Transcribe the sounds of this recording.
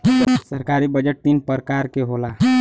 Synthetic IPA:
səɾkaɾibəd͡ʒəʈ̚t̪inpəɾkaɾkeɦola

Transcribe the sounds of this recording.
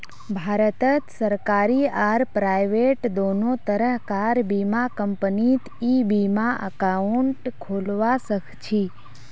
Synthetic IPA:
bʱaɾət̪ət̪səɾkaɾiaɾpɾajʋeʈd̪onot̪əɾəɦkaɾbimakəmpənit̪ʰibimãʔə̰kauɳʈkʰolʋasəkʰt͡ʃʰi

